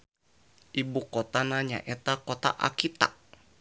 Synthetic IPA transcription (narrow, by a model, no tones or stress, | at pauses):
ʔibukɔt̪anaɲa̰ʔɛt̪akɔt̪a̰ʔa̰kit̪a̰ʔ